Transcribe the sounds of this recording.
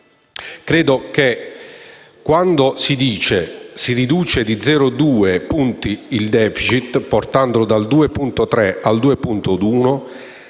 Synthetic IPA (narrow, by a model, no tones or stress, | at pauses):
kɾɛːd̪oke | kːwand̪osid̪iːt͡ʃesirid̪uːt͡ʃed̪id̪zɛːɾʊd̪uːepunt̪iild̪ɛːfit͡ʃit̪ːpɔrt̪and̪ʊd̪ald̪uːepunt̪ot̪ɾɛald̪uːepunt̪ʊd̪uːno